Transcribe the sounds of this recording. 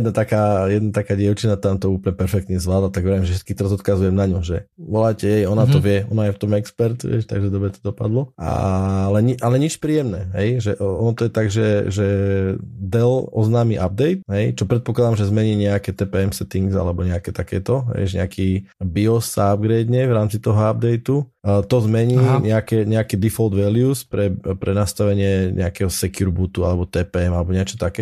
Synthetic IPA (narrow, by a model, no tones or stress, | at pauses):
d̪nat̪akaːjɛd̪nat̪akaːɟɪɛʊt͡ʃinat̪amt̪ɔuːplɲɛpɛɾfɛk̚t̪ɲɛzʋlaːd̪lat̪aɡʋɛɾimʒɛfʃɛ̥t̪kiːt̪ɔɾazɔt̪kazujɛmnaɲɔʒɛʋɔlaːcɛɦɛjɔnat̪ɔʋɪɛɔnajɛft̪ɔmɛkspɛɾt̪ʋɛ̰ʃt̪a̰ɡʒɛd̪ɔbɾɛt̪ɔ̥d̪ɔpad̪lɔa̰lɛɲiʔalɛɲit͡ʃpɾiːjɛmnɛːɦɛjʒɛʔɔɔnɔt̪ɔjɛt̪aɡʒɛʒɛ | d̪ɛlɔznaːmiʔab̚d̪ɛjt̪ɦɛjt͡ʃɔpɾɛt̪̚pɔklad̪amʒɛzmɛɲiːɲɛakɛːt̪ɛpɛːɛmsɛt̪iŋɡza̰lɛbɔɲɛakɛt̪akɛ̰ːt̪ɔɦɛ̰jʒɲɛ̰akʰiːbiɔsːaabɡɾɛːd̪ɲɛvɾaːmt͡sit̪ɔɦɔab̚d̪ɛjt̪ut̪ɔzmɛɲiːɲɛakɛɲɛakiːd̪ifɔld̪ʋɛliuspɾɛpɾɛnast̪aʋɛɲɪɛɲʔɛ̰akɛɦɔsɛkuɾbut̪ua̰lɛbɔt̪ɛːpɛɛmalɛbɔɲɪɛt͡ʃɔ̥t̪akɛː